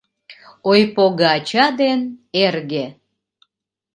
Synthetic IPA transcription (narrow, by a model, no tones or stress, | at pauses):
ojpoɣɑt͡ɕɑd̪enerɣe